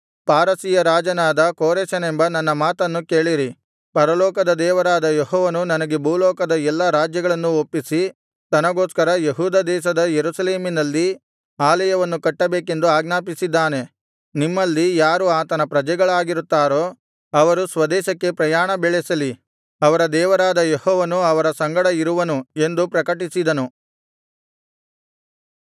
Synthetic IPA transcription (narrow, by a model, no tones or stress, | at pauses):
paːɾɐsijɐɾaːd͡ʒɐnaːd̪ɐkoːɾeːʃɐnembɐnɐnːɐmaːt̪ɐnːuke̞ːɭiɾi | pɐɾɐlɔːkɐd̪ɐd̪ɛːʋɐɾaːd̪ɐjeɦɔːʋɐnunɐnɐɡe̞bʱuːlɔːkɐd̪ɐɛlːɐɾaːd͡ʒjɐɡɐɭɐnːuopːisi | t̪ɐnɐɡo̞ːskɐɾɐjeɦuːd̪ɐd̪ɛːʃ̬ɐd̪ɐjeɾusɐle̞ːminɐlːi | aːlɛjɐʋɐnːukɐʈːɐbeːke̞nd̪uaːɡnaːpisid̪ːaːne̞ | nimːɐlːijaːɾuaːt̪ɐnɐpɾɐd͡ʒɛɡɐɭaːɡiɾut̪ːaːɾo̞ː | ɐʋɐɾusʋɐd̪ɛːʃɐkːe̞pɾɐjaːɳɐbɛɭɛsɐli | ɐʋɐɾɐd̪ɛːʋɐɾaːd̪ɐjehɔːʋɐnuɐʋɐɾɐsɐŋɡɐɽɐiɾuʋɐnue̞nd̪upɾɐkɐʈisid̪ɐnu